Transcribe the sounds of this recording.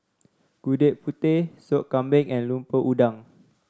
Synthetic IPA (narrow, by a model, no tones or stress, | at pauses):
ɡ̥udeʔ̚put̪ɪhsoʔkãmbɛŋɛ̃nlumpəʔudaŋ